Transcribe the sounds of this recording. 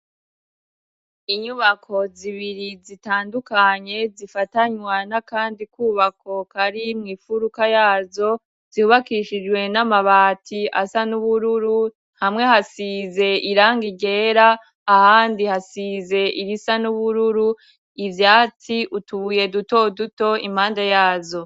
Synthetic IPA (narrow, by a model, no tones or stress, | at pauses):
iɲuβakʰo̞ziβiɾizitaːndukaɲe̞zifataɲwanakaːndikuːβakʰo̞kaɾimŋiːfuɾukajaːzo̞ | z̥iuβakiʃid͡ʒwe̞namaβaːtʰia̰sanuβuɾuɾu | hamŋe̞hasize̞iɾaːŋɡiɡe̞ːɾaː | haːndihasize̞iɾisanuβuɾuɾu | ivjaːtʰiʔutuβuje̞duto̞duto̞imhaːndajaːzo̞